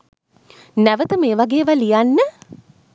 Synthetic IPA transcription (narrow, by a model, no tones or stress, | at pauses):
næʋət̪əmeːʋaɡeːʋalijanːə